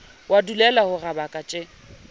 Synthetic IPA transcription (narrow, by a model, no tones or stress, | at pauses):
wʔadulɛlahʊrabakʼat͡ʃʼɪ